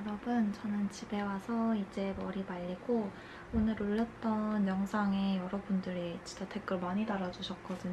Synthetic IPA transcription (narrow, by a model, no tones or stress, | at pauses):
jʌɾʌbɯnt͡ɕʌnɯnt͡ɕibe̞wasʰʌid͡ʑe̞mʌɾimaʎːiɡo | onɯɾoʎːʌt̚t͈ʌnjʌŋsʰaŋe̞jʌɾʌbundɯɾit͡ɕint͡ɕ͈atʰe̞k͈ɯɭmaɲitaɾad͡ʑuɕʰʌk̚k͈ʌdɯɲ